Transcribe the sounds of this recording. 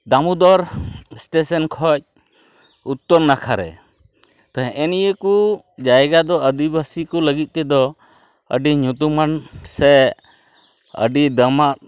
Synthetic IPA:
d̪amud̪ɔɾsʈesɔnkʰɔc̚ | ut̪ːɔɾnakʰaɾɛ̰ | t̪aɦɛ̃ʔɛnijəku | d͡ʒajɡad̪ɔəd̪ibasikɔləɡit̪̚ˀt̪ɛd̪ɔ | ə̰ɖiɲut̪umansɛ | ə̰ɖid̪əmat̪̚

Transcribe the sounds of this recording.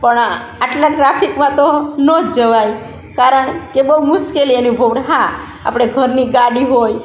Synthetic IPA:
pəɳaʈlaʈɾapʰikmãt̪onəd͡ʒəʋaj | kaɾəɳkebəumʊʃkelienũbʱoɽɦã | a̰pɽ̃eɡʱəɾniɡaɽiɦoj

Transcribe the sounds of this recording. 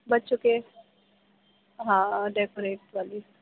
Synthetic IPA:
bɐtːʃõke | ɦãːɖekoɾeːʈʋaːli

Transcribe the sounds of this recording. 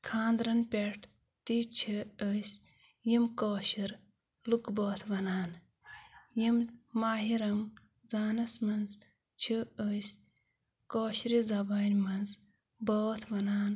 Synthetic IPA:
kʰaːnd̪ɾɐnpʲeʈ | t̪it͡ʃʰəəjs | jimkoːɕiɾ | lukboːt̪ʰʋɐnaːn | jimːaːɦiɾɐm | zaːnɐsmɐnz | t͡ʃʰəəjs | koːɕɾizɐbɐnʲmɐnz | boːt̪ʰʋɐnaːn

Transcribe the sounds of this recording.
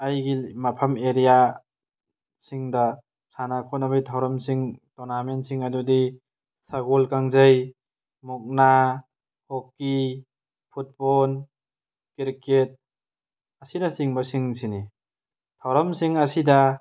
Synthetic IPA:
ajɡimɐpʰɐmeɾija | siŋdɐ | sʰanakʰɔt̚nabajtʰawɾɐmsiŋtonamensiŋɐdudi | saɡolkaŋzɐj | muk̚na | hokːi | pʰut̚bɔn | kiɾket̚ | ɐsinɐsiŋbɐsiŋsini | tʰawɾɐmsiŋɐsidɐ

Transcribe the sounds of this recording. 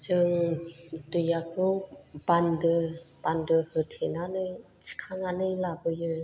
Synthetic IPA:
d͡ʒɯŋ | dɯjakɯwbandɯbandɯhɯtʰenanɯjt͡ʃʰi̥kʰaŋanɯjlabɯjɯ

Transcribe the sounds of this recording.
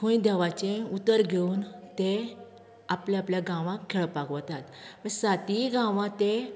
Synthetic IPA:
kʰoid̪ɛʋat͡ɕẽut̪əɾɡʱeuːnt̪e | apljaapljaɡãʋãkʰːeɭpakʋət̪at̪ʋəsat̪iɡãʋãt̪e

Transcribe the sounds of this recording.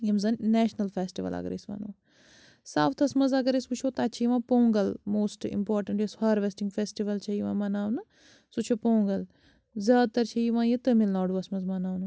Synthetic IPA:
jɐmzɐnnɛːʃnɐlfeːsʈiʋɐ̰lɐ̰ɡɾḭsʋa̰ːno̰ː | saːft̪ʰɐsmɐzɐɡɐɾisbɨt͡ʃʰoːt̪aːt͡ʃʰiːʋãːpoːŋɡɐlmoːsʈḭmpoːɾʈɐɳishɐɾʋesʈĩŋɡfeːsʈiʋɐlt͡ʃʰɐiʋã̰ːmɐnaːʋnɐ | sut͡ʃʰopoːŋɡɐl | zʲjaːd̪̚t̪ɐɾt͡ʃʰɐjiʋãːjit̪ɨmilnaːɖuɐsmɐzmɐnaːwnu

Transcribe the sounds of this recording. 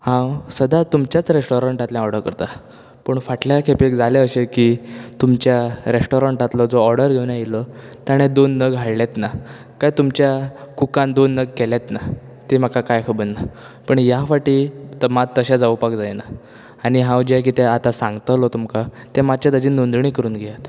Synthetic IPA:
hãwsəd̪at̪umt͡ɕjat͡sɾesʈoɾaɳʈat̪ljãɔɾɖəɾkəɾt̪a | pəɳfaʈljakʰepːkd͡zaleəɕekiːt̪umt͡ɕjaɾesʈoɾaɳʈat̪ləd͡zoɔɾɖəɾɡʱewnjãjilət̪jaɽ̃ed̪onːəɡɦaɽlet̪na | kajt̪umt͡ɕjakukãnd̪onːəɡ̚kelat̪na | t̪emakakajkʰəbənːa | pəɳjafaʈiːt̪əmadt̪ːəɕad͡zaupakd͡zajnaː | ɽ̃iɦãwd͡ʑek̬iːt̪eat̪asãŋɡt̪əlot̪umka | t̪emat͡ɕjat̪əd͡ʑiːnund̪ɳ̃iːkəɾuːnɡʱejat̪

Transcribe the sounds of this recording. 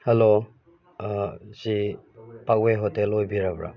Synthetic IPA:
helo | zi | pak̚weɦɔtelɔjbiɾabɾa̰

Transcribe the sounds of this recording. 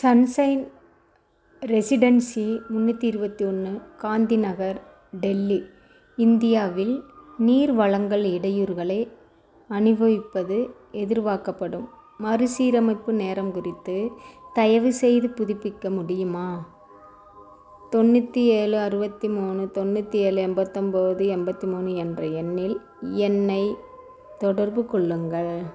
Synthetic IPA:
sɐnsɐɪn | ɾɛsɪɽɐnsimʊnːɯt̪ːiɪɾɯbɐt̪ːiɔnːɯkaːnd̪inɐɣɐɾ | ɖɛlːi | ɪnd̪ɪjaːʋɪlniːɾʋɐɭɐŋɡɐɭɪɽɐjuɾɣɐɭɐɪ | ɐnɯʋɐʋɪpːɐðɯ | ɛðɪɾʋaːkɐpːɐɽɯmː | ɐɾɯsiːɾɐmɐɪpːɯneːɾɐmkʊrɪt̪ːɯt̪ɐjɐʋɯsɛjðɯpʊðɪpːɪkːɐmʊɽɪjɯmaː | t̪ɔnːɯt̪ːieːlɯɐɾɯbɐt̪ːimuːnɯt̪ɔnːɯt̪ːieːlɯɛmbɐt̪ːɐmbɐðɯɛmbɐt̪ːimuːnɯɛndrɐɛnːɪl | ɛnːɐɪ | t̪ɔɽɐɾbɯkɔɭːɯŋɡɐɭ

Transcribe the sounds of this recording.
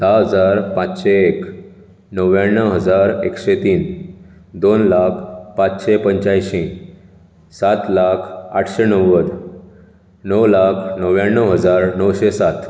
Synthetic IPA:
d̪̥aɦəd͡zaɾpãt͡sɕeːk | nəʋjaɳːəɦəd͡zaɾḛkɕet̪iːn | d̪onlakʰpãt͡sɕepəɲt͡ɕajɕĩ | sat̪lakʰaʈʰɕenəwəd̪ | nəwlakʰnəʋjaɳːəwɦəd͡zaɾnəwɕesat̪

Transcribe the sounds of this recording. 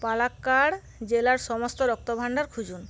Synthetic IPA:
palakːaɽ | d͡ʑelaɾʃɔmost̪oɾɔk̚t̪obʱaɳɖaɾkʰud͡ʑun

